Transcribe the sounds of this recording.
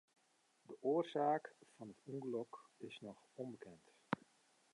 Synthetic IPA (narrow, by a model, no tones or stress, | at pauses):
dəʔoːərzaːkfɑnətuŋɡəlɔkɪsnɔx | ɔmbəkʰɛnt